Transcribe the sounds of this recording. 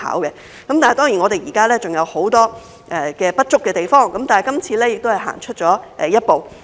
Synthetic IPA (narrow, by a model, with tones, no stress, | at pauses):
a̰ː˨˥wkɛ˧ | kɐ˨˦mta˨hjt̪ɔː˥ŋjiː˨˩nŋɔ˨˧e˨jiː˨˩kaː˥lɛː˥t͡sʊ˨ŋjɐ˨˧who˨˥wt̪ɔː˥ | ʔɛ˨kɛː˧pɐ˥t̚t͡ʃʊ˥kːɛː˧t̪e˨jfɔː˥ŋkɐ˨˥mt̪aː˨nɐ˨˩kɐ˥mt͡sʰiː˧lɛː˥jɪ˨k̚t̪o˥whɐ˨˩jɦa̰ː˨˩ŋt͡ʃʰɵ˥t̚t͡ʃɔː˨˥ʔɛ˨˩jɐ˥t̚po˨w